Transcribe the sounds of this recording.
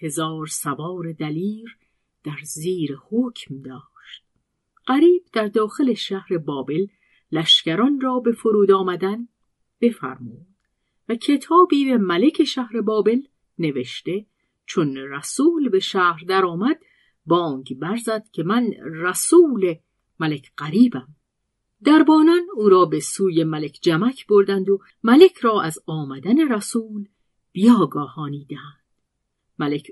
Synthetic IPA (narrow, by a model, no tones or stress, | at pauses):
he̞zɒːɾsævɒːɾed̪æliːɾ | d̪̥æɾziːɾehocʰmd̪ɒːʃt̪̚ | ɢ̥æɾiːb̥̚d̪̥æɾd̪ɒːxe̞le̞ʃæhɾe̞bɒːbe̞lː | æʃcæɾɒnrɒːbe̞foɾuːd̪ɒːmæd̪æn | b̥e̞fæ̰ɾmuːd̪̥ | væcʰe̞t̪ʰɒːbiːbemæle̞cʰe̞ʃæhɾe̞bɒːbe̞l | ne̞veʃt̪e̞ | t͡ʃʰonræsuːlbe̞ʃæhɾd̪æɾɒːmæd̪̥ | bɒːŋɡbæɾzæd̪̥cʰe̞mænræsuːle | mælecʰɢ̥æɾiːbæm | d̪æɾbɒːnɒnuːɾɒːbe̞suːje̞mælecʰd͡ʒæmækʰb̥oɾd̪ænd̪o | mælecʰɾɒːʔæzɒːmæd̪æne̞ɾæsuːl | b̥ijɒːɡɒːhɒːniːd̪eænd̪̥ | mælecʰ